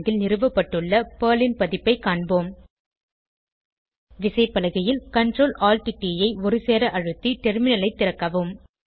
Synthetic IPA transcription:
ɡɪlnɪrɯʋɐpːɐʈːɯɭːɐpɐːlɪnpɐðɪpːɐɪkːaːɳboːm | ʋɪsɐɪpːɐlɐɣɐjɪlkɐɳɖroːlʔaːlʈɪʈːiːjɐɪɔɾɯseːɾɐʔɐɻɯt̪ːiʈɛɾmɪnɐlɐɪt̪ːɪɾɐkːɐʋɯm

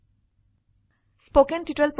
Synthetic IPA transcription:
spoːkə̃nʈiʈəlpɾ

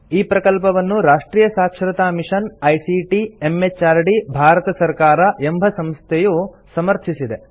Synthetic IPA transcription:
iːpɾɐkɐlpɐʋɐnːuɾaːʂʈɾiːjɐsaːkʂɾɐt̪aːmiʂɐnɐjsiʈiemːet͡ʃaːɾɖibʱaːɾɐt̪ɐsɐɾkaːɾɐʔe̞mbʱɐsɐmst̪ʰɛju | sɐmɐɾt̪ʰisid̪e̞

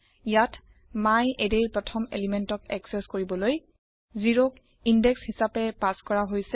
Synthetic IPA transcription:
ijat | majedejpɹɔtʰɔmḛlimentɔkɛ̰ksɛskoɹibɔloj | ziɹok | indɛkshisapɛpaskɔɹaɦojsɛ

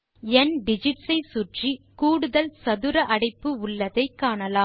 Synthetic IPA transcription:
ɛnɖɪd͡ʒɪʈsɐɪsʊʈrikuːɽɯðɐlsɐðɯɾɐʔɐɽɐɪpːɯʊɭːɐðɐɪkːaːɳɐlaː

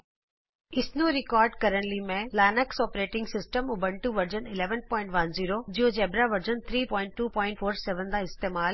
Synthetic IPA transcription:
ɪsnũɾɪkɔːɾɖkɐɾənlimẽlaːnəksɔːpɾeːʈɪ̃ŋɡsɪsʈəmʊbəɳʈuʋɐɾd͡ʑənɪleːʋənpɔ̃ːɪ̃ɳʈʋɐnziːɾod͡ʑiɦõd͡ʑɛːbɾaʋɐɾd͡ʑənt̪ʰɾiːpɔːɪ̃ɳʈːuːpɔ̃ːɪ̃ɳʈfʰoːɾsɛːʋə̃nd̪aɪst̪eːmaːl

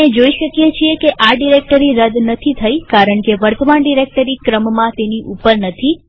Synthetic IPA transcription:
ed͡ʒoiʃəkjet͡ʃʰiekeʔaɖiɾek̚ʈəɾiɾəd̪nət̪ʰit̪ʰəjkaɾəɳkeʋəɾt̪ʰəmaɳɖiɾek̚ʈəɾikɾəmmãt̪eniʔupəɾnət̪ʰi

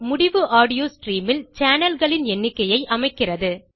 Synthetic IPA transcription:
mʊɽɪʋɯʔaːɽɪjoːsʈriːmɪlt͡ʃaːnɐlɣɐɭɪnɛnːɪkːɐjɐɪʔɐmɐɪkːɪrɐðɯ

